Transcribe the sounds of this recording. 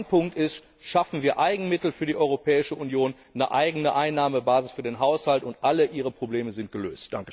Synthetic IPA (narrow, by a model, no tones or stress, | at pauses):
npʰʊŋk̚tɪst | ʃafn̩viːɐʔaɪɡŋ̩mɪtl̩fyːɐdiʔɔʏʁopʰɛːɪʃəʔunjoːnːəʔa̰ɪɡənəʔaɪnːaːməbaːzɪsfyːɐdeːnɦaʊshaltʊntʔaləʔiːʁ̞əpʁ̥obleːməzɪnt̚ɡ̥əlø̰ːstd̥aŋkə